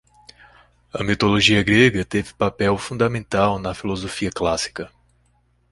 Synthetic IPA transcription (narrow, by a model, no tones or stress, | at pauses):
ɐmit̪oloʒiɐɡɾeɡɐt̪evɪpapɛwfũd̪ɐmẽnt̪awnɐfilozofiɐklasi̥kɐ